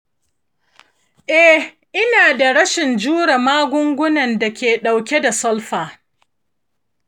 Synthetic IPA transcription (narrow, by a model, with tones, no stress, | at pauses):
ʔɛ˦ | ʔɪ˦naː˨da˨ɽɐ˦ʃɪ˨nd͡ʒuː˦ɽa˨maː˦ɡʷʊ˦ŋɡʷʊ˦nɐ˨nda˨kʲeː˨ɗa˨wkʲe˦da˨sɔ˦lɸaː˨